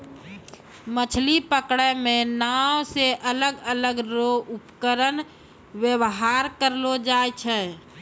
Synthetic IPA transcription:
mət͡ʃʰlipəkɽɛmẽnaːwseʔələɡələɡɾoʊpkəɾən | wjəwɦaːɾkəɾlod͡ʒaːjt͡ʃʰɛ

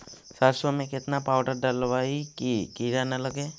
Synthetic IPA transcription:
saɾsʋəmẽkɪt̪napaːwʈəɾɖəlʋaːikikiːɾanələɡeː

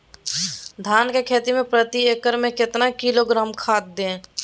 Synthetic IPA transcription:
d̪ʱaːnkekʰeːt̪imẽpɾət̪ieːkəɾmẽkɪt̪nakiloɡɾaːmkʰaːt̪̚d̪ẽ

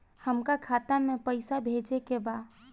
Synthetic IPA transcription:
həmkakʰat̪amepəɪsabʱed͡ʒekeba

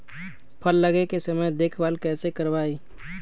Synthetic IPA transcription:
pʰəlːəɡekesəməjd̪eːkʰbaːlkɛːsekəɾbaːi

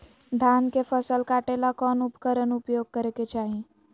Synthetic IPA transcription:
d̪ʱaːnkefəsəlkaːʈelakɔːnʊpkəɾənʊpjoːɡ̚kəɾeket͡ʃaːɦi

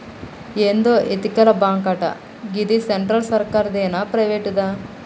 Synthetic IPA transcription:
eːnd̪oːʔet̪ikɐlɐbaːŋkɐʈɐ̰ | ɡid̪iseɳʈɾɐlsɐɾkaːɾd̪eːnɐpɾɐʋeːʈd̪aː

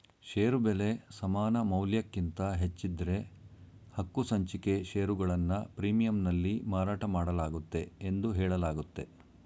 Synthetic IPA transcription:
ʃeːɾubele̞sɐmaːnɐmɐwljɐkːint̪ɐɦet͡ʃːid̪ɐɾe̞ | hɐkːusɐɲt͡ʃike̞ʃeːɾuɡɐɭɐnːɐpɾiːmijɐmnɐlːimaːɾaːʈɐmaːɽɐlaːɡut̪ːe̞ːnd̪uɦɛːɭɐlaːɡut̪ːe̞

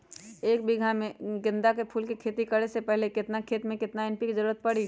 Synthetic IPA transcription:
eːkbɪɡʱamẽɡɪ̃nd̪akepʰuːlkikʰeːt̪ikɐɽesepɛɦlekɪt̪nakʰeːt̪mẽkɪt̪naɪ̃npikizəɾuːɾət̪̚pɐɽi

